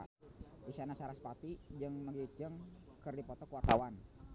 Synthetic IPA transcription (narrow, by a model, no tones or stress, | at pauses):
isanasaɾaspat̪id͡ʒəŋməɡit͡ʃəŋkərdipɔt̪ɔkuwart̪awan